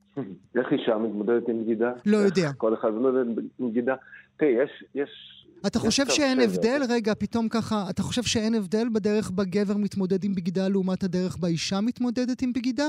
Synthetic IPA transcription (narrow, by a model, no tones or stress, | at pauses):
eχiʃamit̪mod̪ed̪et̪imbɡid̪alo̞jodeakoleχad̪mideimɡid̪at̪ijeʃjeʃat̪aχo̞ʃe̞vʃeenevd̪e̞lʁe̞ɡapito̞mkaχaːtaχo̞ʃevʃeenevde̞lbedeʁeχbaɡe̞ve̞ʁmit̪mo̞dedimbɡidaleumat̪hadeʁeχbaiʃamit̪mo̞dedetimbɡida